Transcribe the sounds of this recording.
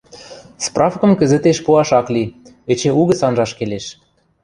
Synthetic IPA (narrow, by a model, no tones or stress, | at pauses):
sprɑfkɤ̆mkə̆zə̆t̪eʃpuɑʃɑkli | ĕt͡ɕĕuɣə̆sɑnʒɑʃkeleʃ